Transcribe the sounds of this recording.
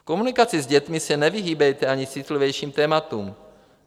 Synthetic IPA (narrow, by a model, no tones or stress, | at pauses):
fko̞munɪkat͡sɪzɟɛt̪mɪsɛnɛvɪɦiːbɛjt̪ɛaɲɪsɪt̪livjɛjʃiːmt̪ɛːmat̪uːm